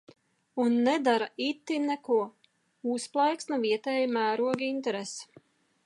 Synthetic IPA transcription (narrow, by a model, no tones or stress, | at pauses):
unːɛd̪aɾait̪ːinɛkuɔ | usplˠajksnɐviɛt̪ɛːjimæːɾuɔɡint̪ɛɾesɛ̥